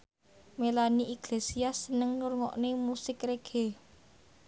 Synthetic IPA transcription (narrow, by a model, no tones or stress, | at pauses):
melaniʔiɡ̥lesiasənəŋnurŋɔ̰ʔnemusɪkɾeɡ̥ʰe